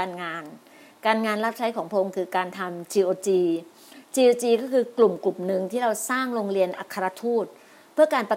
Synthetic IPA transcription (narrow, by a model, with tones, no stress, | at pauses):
aː˧nŋaː˧n | kaː˧nŋaː˧nɾa˦˥p̚t͡ɕʰa˦˥jkʰɔː˩˦ŋpʰɾa˧o˧ŋkʰɯː˧kaː˧nt̪ʰa˧mt͡ɕiː˧ʔoː˧t͡ɕiː˧ | t͡ɕiː˧ʔoː˧t͡ɕiː˧kɔː˥˩kʰɯː˧klu˨˩mklu˨˩mnɯ˨˩ŋt̪ʰiː˥˩ɾa˧wsaː˥˩ŋɾoː˧ŋɾi˧ənʔa˧˩kʰːa˧ɾa˧˥t̪ʰuː˥˩t̪̚ | pʰɯ˥˩ɐkaː˧npa˧